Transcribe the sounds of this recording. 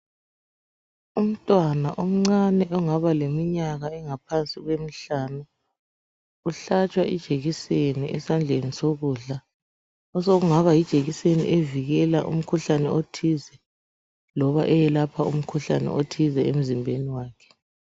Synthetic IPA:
um̩tʼwana̰ʔom̩ŋ͡ǀanɛʔɔŋaβalemiɲaɣaɛŋapʰansʼiɣwem̩ɬaːnu | uɬat͡ʃʼwaʔḭd̥ʒ̥ʱeɣiseniʔɛsand͡ɮʱenisoɣuɮa | ɔsoɣuŋaβajid̥ʒ̥ʱeɣisenḭʔeviɣɛla̰ʔṵm̩kʰuɬanɛotʰizɛ | lɔβaʔɛjɛlapʰaṵm̩kʰuɬanɛ̰ʔotʰizɛem̩zimbʱeniwaːkʰɛ̥

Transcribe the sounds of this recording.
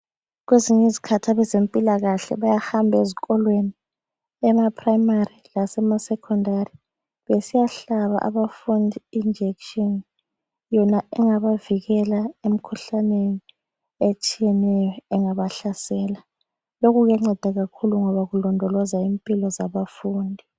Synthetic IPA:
ɣweziɲezikʰatʰaβɛzempʼilaɣaɬɛ̰βajahambʱeziɣɔlweni | ɛmapʰrajmarilasɛmasɛkʰɔndari | βesijaɬaβa̰ʔa̰βafundʱiind͡ʒʱekʃɔn | jɔnaɛŋaβaviɣɛlaem̩kʰuɬaneni | et͡ʃʼijɛnɛjɔɛŋaβaɬasɛla | loɣuɣɛŋ͡ǁɛd̥ʱaɣakʰuluŋɔβaɣulɔndʱɔlɔzaimpʼilɔzaβafuːndʱi

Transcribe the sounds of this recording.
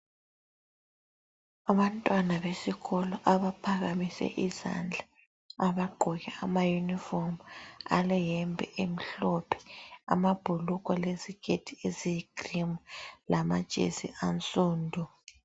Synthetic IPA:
aβantʼwanaβesiɣɔlɔʔaβapʰaɣamisɛ̰ʔiza̰nd͡ɮʱa | aβaɡ͡ǃʱɔɣɛamajunifɔma̰lɛjɛmbʱɛ̰ʔem̩ɬɔpʰɛ̥a̰mab̥ʱuluɣʼɔlezikʰʼetʰieziɡ̥ʱrimulama̰d̥ʒ̥ʱʼḛzḭʔant͡sʼuːndʱu

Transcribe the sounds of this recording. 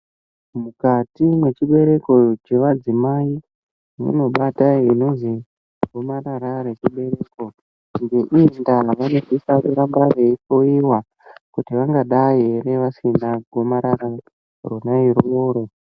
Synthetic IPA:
mukatimwe̞t͡ʃiɓe̞ɾe̞ko̞t͡ʃe̞ʋad͡zimai | mṵno̞ɓataino̞nzi | ɡʱo̞maɾaɾaɾet͡ʃiɓe̞ɾeːko̞ | ŋɡe̞ʔiindaʋanodisaruɾambareit͡ʃoiwa | kutiʋaŋɡaɗajere̞ʋasinaɡʱo̞maɾaɾa | ronaiɾoːɾo̞

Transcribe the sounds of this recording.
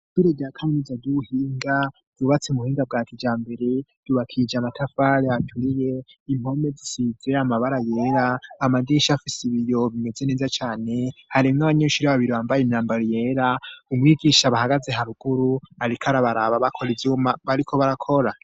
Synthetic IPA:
ɡ̥iɾeɡakʰaminizaduhiːŋɡa | d̥uβat͡semuhiːŋɡab̚ɡaːkid͡ʒaːmbe̞ɾe̞d̥uβakʰid͡ʒamatʰafaɾeatʰuɾije̞imho̞me̞zisize̞amaβaɾajeːɾaːmadiʃafisiβijo̞βime̞ze̞ne̞ːzat͡ʃaːne̞haɾimŋaβaɲeʃuɾiaβaβiɾiβaːmbajemɲaːmbaɾije̞ːɾaumŋiːɡiʃaβahaɡaze̞ɦaɾuɡ̥uɾuaɾikʰaɾaβaɾaβaβakʰo̞ɾevumaβaɾikʰo̞βaɾakʰo̞ɾa

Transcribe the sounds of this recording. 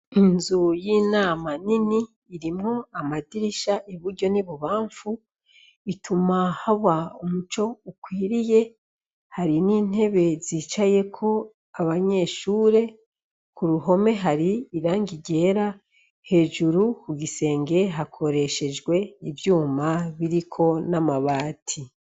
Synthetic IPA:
inzujinaːmaniniː | ɾimŋoamadiɾiʃaʔeβuɾɟo̞niβuβaːɱfu | itʰumahaβaumut͡ʃo̞ukwiːɾije̞ | haɾiniːn̥e̞βe̞ziːt͡ʃaje̞kʰo̞ | aβaɲe̞ːʃuːɾe̞ | kuɾuɦo̞me̞ɦaɾiiɾaːŋɡiɟe̞ːɾa | he̞ːʒuɾukuɡise̞ːŋɡe̞ɦakʰo̞ɾeʃe̞d͡ʒɡwe̞ivjuːmaβiɾikʰo̞namaβaːtʰi

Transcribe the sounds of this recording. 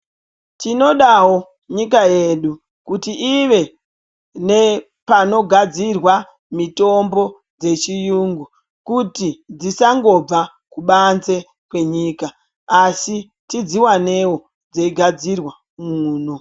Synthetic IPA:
tino̞ɗawo̞ | ɲikaje̞ɗu | kutiʔiʋe̞ | ne̞ | pano̞ɡʱad͡zirwa | mito̞mbo̞ | d͡ze̞t͡ʃijuːŋɡu | kutid͡zisaŋɡo̞b͡va | kuɓanze̞ | kwe̞ɲiːkaː | si | tid͡ziwane̞wo | d͡zeiɡʱad͡zirwa | muːno

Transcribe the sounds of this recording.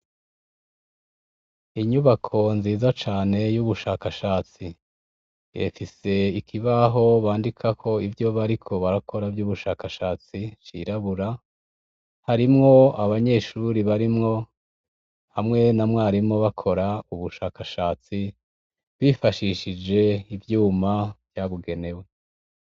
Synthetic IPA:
iɲuβakʰo̞nziːzat͡ʃaːne̞juβuʃaːkaʃaːt͡si | jḛfise̞ikʰiβaɦo̞βaːndikʰakʰo̞ivjo̞βaɾikʰo̞βaɾakʰo̞ɾavjuːβuʃaːkaʃaːt͡sit͡ʃḭɾaβuɾa | haɾimŋo̞aβaɲe̞ʃuɾiβaɾimŋo̞ | hamŋe̞namŋaaɾimŋo̞βakʰo̞ɾauβuʃaːkaʃaːt͡si | βifaʃiʃid͡ʒe̞ivjuːmavjaβuɡe̞ne̞we̞

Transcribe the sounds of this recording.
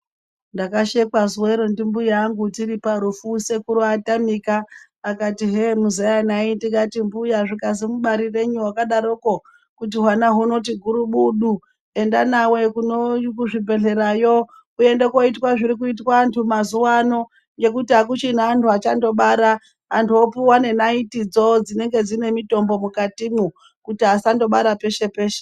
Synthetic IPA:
ndakaʃe̞kazweɾondimbujaŋɡutiɾipaɾufuse̞kuɾoatamikaː | katiɦemuzajanaindiŋɡatimbujaʐikazimuɓaɾire̞ɲuwakaɗaɾoko | kut̬iɦwanaɦuno̞t̬iɡʱuɾuɓuɗu | e̞ndanawe̞kunokuʐibʱe̞ɮe̞ɾajo̞ | kuje̞ndeko̞itwaʐiɾikuit̬waːntʰumazuwano̞ | ŋɡe̞kutiɦakut͡ʃin̤aːntʰuat͡ʃando̞ɓaɾaː | ntʰuopuwane̞naitid͡zo̞d͡zine̞ŋɡe̞d͡zine̞mito̞mbo̞mukatimu | kutiasando̞ɓaɾape̞ʃe̞pe̞ːʃe̥

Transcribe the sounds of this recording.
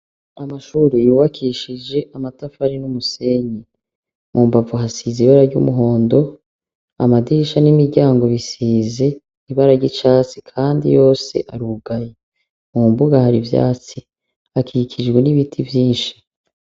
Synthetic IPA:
amaʃuːɾijuːβakʰiʃid͡ʒe̞ʔamatafaɾinumuse̞ɲi | mʔuːmbavuɦasiziβaɾaɾɟṵmuɦo̞ːndo̞ | amadiʃanimiɾɟaːŋɡo̞βisiːze̞ | iβaɾaɾɟit͡ʃaːt͡si̥kʰaːndḭjo̞ːse̞̰ʔaɾuɡaje | mumbuɡahaɾivja̰ːt͡si | akʰikʰid͡ʒɡwe̞niβitʰivjiːnʃi̥

